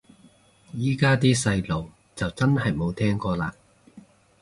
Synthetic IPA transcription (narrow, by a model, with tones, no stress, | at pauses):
jiː˥kaː˥t̪iː˥sɐ˧jlo˨w | t͡sɐ˨wt͡sɐ˥nɦɐ˨˩jmo˨˧wt̪ʰɛː˥ŋkɔː˧laː˧